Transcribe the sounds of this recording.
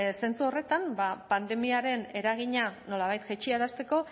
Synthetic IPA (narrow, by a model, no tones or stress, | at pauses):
se̞nt͡suo̞re̞t̪anbapand̪e̞miaɾe̞ne̞ɾaɣ̞iɲano̞laβajt̪ʝet͡ʃiaɾast̪e̞ko̞